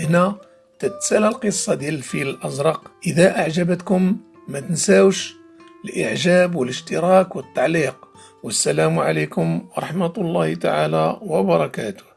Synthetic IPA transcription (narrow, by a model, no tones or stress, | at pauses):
ʔəhnæ | t̪ət̪sælælqəsˤːɑd̪ijælfiləlʔɑzɾˤɑqʔəd̪æʔaʕʒæbət̪kʊmː | æt̪ənsæwʃ | əlʔə̰ʕʒæbwələʃt̪əɾˤɑkwət̪ːɑʕliq | wəsːælæmʕaləkʊmwɑɾˤɑħmæt̪lˤːɑhit̪aʕalæwɑbɑɾˤɑkæ̰t̪ʊ̥h